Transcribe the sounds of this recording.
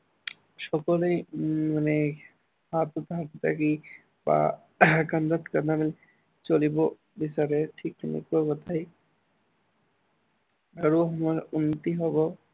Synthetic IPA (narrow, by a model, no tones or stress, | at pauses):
ʃɔkolejmane | hat̪ot̪aɦat̪t̪ʰa̰ki | ba̰ | kand̪at̪kanamil | t͡ɕolibo | bisaɾeʈʰikːnḭkoɾbot̪ʰaj | baɾuɦɔmɔunːit̪iɦɔbo